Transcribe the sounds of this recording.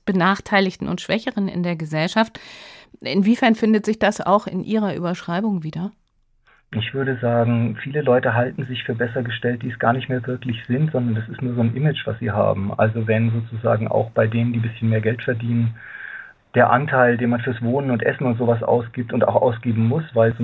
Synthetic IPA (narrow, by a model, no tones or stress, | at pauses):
b̥ənaːχtʰaɪlɪçtn̩ʊ̰ntʃv̥ɛçəʁənɪ̰ndeːɐɡəzɛlʃaftʔɪ̰nviːfɛɐnfɪndətz̥ɪçd̥asa̰ʊxɪ̰nʔiːʁ̞ɐʔy̰ːbɐʃʁ̥aɪbʊŋviːdɐ | ʔɪçv̥ʏɐɾəzaːɡŋ̩fiːləlɔʏtəɦaltn̩zɪçfyːɐbɛsɐɡəʃtɛlt̚d̥iːɛsɡ̥a̰ːɐnɪçtmeːɐvɪɐklɪçz̥ɪntz̥ɔndɐndasɪstnuːɐzoːnʔɪmɪt͡ʃv̥a̰sz̥ḭːɦa̰ːbm̩ʔa̰lzovɛnzoːt͡suza̰ːɡŋ̩ʔa̰ʊxb̥aɪdeːnəndiːbɪsçənmeːɐɡɛltfɛɐdiːnən | d̥eːɐʔantʰaɪldeːnmanfyːɐsv̥oːnənʊntʔɛ̰sn̩ʊntz̥oːvas̬ʔa̰ʊsɡ̥iːp̚tʊnta̰ʊxʔa̰ʊsɡ̥eːbm̩mʊsv̥aɪlz